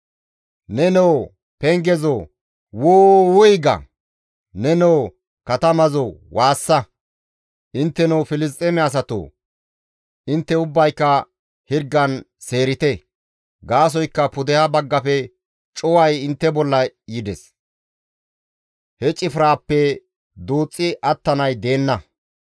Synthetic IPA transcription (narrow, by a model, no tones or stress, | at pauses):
nɛnɛw | pɛŋɡɛzɔ | woːwʊjɡɐ̰ | nɛnɛw | kɐt̪ɐmɐzowʔaːsːɐ | ʔɪnt̪ːɛnɔwfɪlɪs̬t̪ʼɛmɛas̬ɐt̪o̰ | ʔɪnt̪ːɛʊbːɐjkːɐ | hɪɾɡɐn | se̞ːɾɪt̪ɛ | ɡaːs̬ɔjkːɐpʊd̪ɛhɐbɐɡːɐpɛ | t͡ʃʼɔwɐjɪnt̪ːɛbɔlːɐjɪd̪ɛs | hɛt͡ʃʼɪfɪɾaːpːɛ | d̪uːt͡sʼːɪʔɐt̪ːɐnɐjd̪e̞ːnːɐ